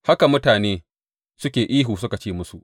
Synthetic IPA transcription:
ha˦ka˨mʊ˦taː˨neː˦ | sʊ˦kʲeː˨ʔiː˦ɦuː˨sʊ˦ka˨t͡ʃeː˦˨mʊ˦su˨ʔ

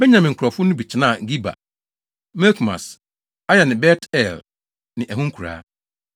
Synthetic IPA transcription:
bɛ˦ɲã˨mɪ̃˨ŋ̩˨kʰɾɔ˨fʊ˦nʊ̃˦bi˨t͡ɕʰɪ˦nãː˦˨ɡi˦ba̰˨ | mɛ˦lkʰma̰˨s | a˦jɛ˨nɪ̃˨bɛ˦tʰɛ˦˨l | nɪ̃˨ʔæ˨ɦũ˦ŋ̩˦kʰu˨ɾa̰ː˦

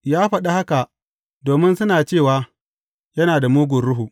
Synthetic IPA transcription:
jaː˦ɸɐ˨ɗa˦ha˦ka˨ʔ | doː˨mɪ˦nsʊ˦naː˨t͡ʃeː˦˨waː˨ | jɐ˦naː˨da˨muː˦ɡʷʊ˨rɽʊ˦ɦu˨ʔ

